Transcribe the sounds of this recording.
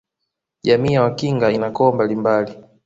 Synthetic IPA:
ʄamiːjawakiŋɡainakɔːmbalimbali

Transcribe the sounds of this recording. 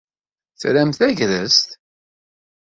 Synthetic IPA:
θɾæmθæʝðəst̪

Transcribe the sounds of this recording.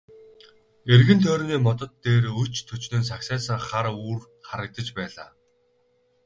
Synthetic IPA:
erɣɘ̆nt̪ʰœːɾniːmɔt̪ɞ̆t̪ːeːɾɵt͡ɕt̪ʰɵt͡ɕnɘ̆ns̬aksæːsə̆ŋχaɾuːr | χaɾə̆k̚t̪ə̆t͡ɕpæːɮa̰ː

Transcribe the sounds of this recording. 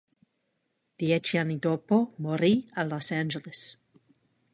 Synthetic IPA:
d̪̥jet͡ʃianid̪opomoɾialɔsãnd͡ʒeles

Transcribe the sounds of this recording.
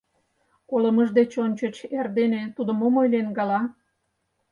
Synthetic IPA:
koləməʒd̪et͡ɕonʲt͡ɕət͡ɕerd̪enet̪ud̪əmomojlenɡɑlɑ

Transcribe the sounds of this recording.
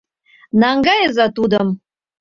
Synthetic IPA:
nɑŋɡɑjəzɑt̪ud̪əm

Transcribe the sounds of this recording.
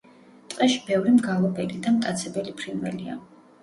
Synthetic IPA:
t̪ʼqʼɛʃibɛvɾimɡalˠɔbɛlid̪amt̪ʼat̪sʰɛbɛlipʰɾinvwɛlia̰

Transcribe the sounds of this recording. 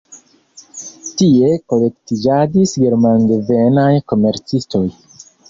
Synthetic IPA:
tie̞ko̞le̞ktid͡ʒadisɡe̞ɾmaŋɡvenajko̞me̞ɾt͡sisto̞j

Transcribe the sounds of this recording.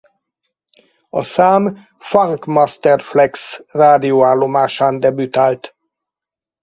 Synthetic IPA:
ɒsaːm | faŋkmɒst̪ɛrflɛksraːd̪ioaːlːo̞maːʃaːnd̪ɛbyt̪aːlt̪

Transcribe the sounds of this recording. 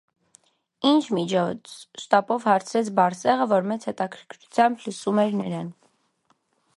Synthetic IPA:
int͡ʃʰmit͡ʃʰɔt͡sʰʃt̪ɑpɔvhɑɾt͡sʰɾɛt͡sʰbɑɾsɛʁəvɔɾmɛt͡sʰhɛt̪ɑkʰəɾkʰɾut͡sʰjɑmbləsumɛɾnɛɾɑn

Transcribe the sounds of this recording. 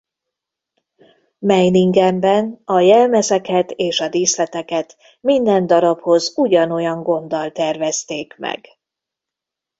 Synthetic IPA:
mɛjniŋɡɛmbɛnɒjɛlmɛzɛkɛt̪eːʃɒd̪iːslɛt̪ɛkɛt̪ | mind̪ɛnd̪ɒɾɒpho̞zuɟɒno̞jɒŋɡo̞nd̪ɒlt̪ɛrvɛst̪eːkmɛ̰ɡ̥

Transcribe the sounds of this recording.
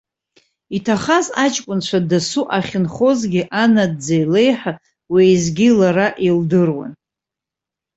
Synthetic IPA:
itʰaχazat͡ʃʼkʷʼʊnt͡ʃʷʰadasuʔaχʲɪnχo̞zɡʲiʔanadd͡zajle̞jħa | wejzɡʲilaɾaʔildɨrwa̰n

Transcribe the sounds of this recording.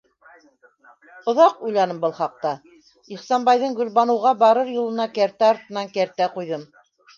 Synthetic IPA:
ŏðɑqujlˠɑnɤmbɤlˠχɑq̚t̪ɑ | iχsɑnbɑjðɤɴɡɵ̆lβɑnɤ̆wʁɑbɑɾɤɾjulˠɤ̆nɑkæɾt̪æɑɾt̪ɤ̆nɑŋkæɾt̪æqujðɤm

